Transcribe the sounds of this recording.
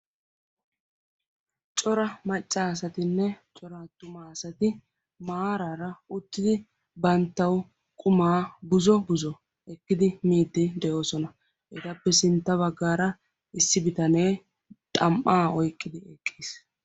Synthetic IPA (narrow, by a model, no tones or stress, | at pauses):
t͡ʃʼɔɾɐmɐt͡ʃʼːaːsɐt̪ɪnːɛt͡ʃʼɔɾɐt̪ːʊmaːsɐt̪ɪ | maːɾaɾɐʊt̪ːɪd̪ɪ | bɐnt̪ːɐw | kʼʊmaːbʊzɔbʊzɔ | ɛkːɪd̪ɪmiːd̪ːɪd̪ɛjo̞ːsɔnɐ | ɛt̪ɐpːɛsɪnt̪ːɐβɐɡːaːɾɐ | ɪsːɪbɪt̪ɐneː | t̪ʼɐmʔaːɔjkʼːɪd̪ɪɛkʼːiːs